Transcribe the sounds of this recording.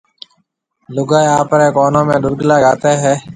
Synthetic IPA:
lʊɡaːeaːpəɾeːkoːnõːmẽːɗ̪ʊɾɡlaːɡaːt̪eːɦɛː

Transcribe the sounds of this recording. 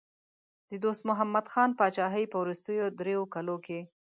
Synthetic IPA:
d̪̥əd̪ost̪mʊɦamːad̪xɑnpɑt͡ʃɑɦəjpəwɾʊst̪əjod̪ɾejokaloke

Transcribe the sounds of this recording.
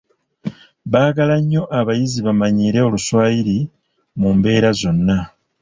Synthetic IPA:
βaːɡalaɲːo̞ʔaβajiziβamaɲiːɾe̞oluswaːjiɾi | mumbe̞ːɾazo̞nːa

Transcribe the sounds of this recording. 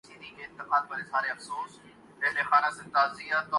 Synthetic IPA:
siːd̪ʱikʰeɪ̃nt̪ɪqaːd̪̚bɐɾesaːɾeɐfsoːs | eɦlexaːnasɪ̃nt̪aːziːat̪ː

